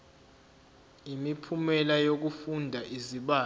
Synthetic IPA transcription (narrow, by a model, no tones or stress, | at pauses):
imipʰumɛlajok̬ufundʱaʔiziɓaː